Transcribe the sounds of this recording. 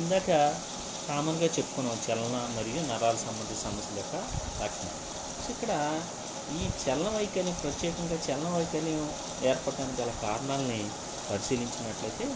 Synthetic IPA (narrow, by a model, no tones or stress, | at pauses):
ind̪aːkɐ | kaːmɐnɡaːt͡ʃe̞pːu̥kunːɐt͡ʃɛlɐnɐmɐɾijunɐɾaːlɐsɐmbɐnd̪iɐsɐmɐsjɐlɐjɔːkɐlɐkʂɐnɐ̰ | sikːɐɽɐ | iːt͡ʃɛlɐnɐʋɐjkɐljɐmpɾɐt̪jɛːkɐŋɡaːt͡ʃɛlɐnɐʋɐjkɐljɐm | eːɾpɐɽɖaːnik̬iɐlaːkaːɾɐɳaːlɐni | pɐɾisiːliɲt͡ʃinɐʈlɐjt̪e̞ː